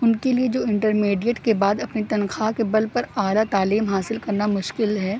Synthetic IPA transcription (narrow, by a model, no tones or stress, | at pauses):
ʊnkelied͡ʒoːɪ̃ɳʈəɾmeːɖiəʈkebaːd̪ɐpnit̪ɐnxaːkebɐlpɐɾaːlat̪aːliːmɦaːsɪlkɐɾnamʊʃkɪlɦɛː